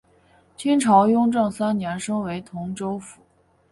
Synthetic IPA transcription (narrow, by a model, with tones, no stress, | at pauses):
t͡ɕʰi˥ŋʈ͡ʂʰɑ˧˥ʊjʊ˥ŋʈ͡ʂɤ˥˩ŋsa˥nnjɛ˧˥nʂɤ˥ŋwe˧˥ɪt̪ʰʊ˧˥ŋʈ͡ʂo˥ʊfu̥˨˩˦